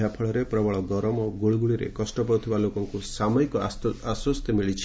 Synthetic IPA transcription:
japʰɔɭɔɾepɾɔbɔɭɔɡɔɾɔmɔɡoɭiɡuɭiɾḛkɔsʈɔpɔɾut̪ʰibalokɔŋkusamɔikɔaswɔst̪jɔmiɭit͡ʃʰi̥

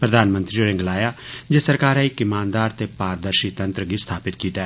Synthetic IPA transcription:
pɾəd̪aːnmə̃nt̪ɾioɾɪ̃ŋɡlaːjaːd͡ʒesəɾkaːɾɛːɪkɪmaːnd̪aːɾt̪eːpaːɾd̪əɾʃiːt̪ənt̪ɾəɡiːst̪ʰaːpɪt̪kiːt̪aɛː

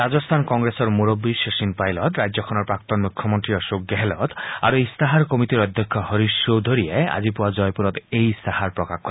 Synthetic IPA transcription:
ɾad͡ʒɔst̪ʰankɔŋɡɾesɔɾmuɾɔbːiʃesinpajlɔt̪ɾajd͡ʒɔkʰɔnɔɾpɾak̚t̪ɔnmukʰjɔmɔnt̪ɾiɔʃokːeɦelɔt̪a̰ɾueist̪aɦaɾkɔmit̪iɾɔd̪ʱjɔkʰːɔhɔɾiʃowd̪ʱoɾiea̰d͡ʒipuwad͡ʒɔjpuɾɔt̪ejst̪ahaɾpɾɔkakʰkːɔɾ

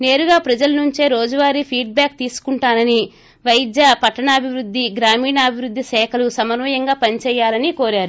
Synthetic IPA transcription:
ne̞ːɾuɡaːpɾɐd͡ʒɐlɐnuɲt͡ʃeːɾo̞ːd͡ʒɐʋaːɾipʰiːɖ̚baːk̚t̪iːsu̥kuɳʈaːnɐni | ʋɐjid̪jɐpɐʈːɐɳɐːbʱiʋɾud̪ʱːiɡɾaːmiːɳɐːbʱiʋɾud̪ʱːisɛːkʰɐlusɐmɐnʋɐjɐŋɡaːpɐnit͡ʃɛːjːaːlɐniko̞ːɾaːɾu

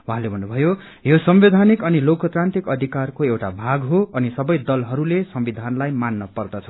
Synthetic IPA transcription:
wuɦãlebʱʌnːubʱʌjo | josʌmbed̪ʱanikʌnilokʌt̪ɾant̪ikʌd̪ʱikarkoewʈabʱaɡɦoʌnisʌbʌjd̪ʌlɦʌɾulesʌmbid̪ʱanlajmanːʌpʌrd̪ʌt͡sʰʌ

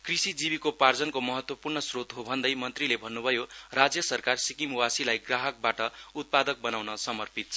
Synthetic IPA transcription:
krisid͡zibikopard͡zʌnkomʌɦʌt̪wʌpurnʌsrot̪ɦobʱʌnd̪ʌjmʌnt̪rilebʱʌnːubʱʌjorad͡zjʌsʌrkarsikimwasilajɡraɦʌk̚baʈʌut̪̚pad̪ʌk̚bʌnawnʌsʌmʌrpit̪̚t͡sʰʌ

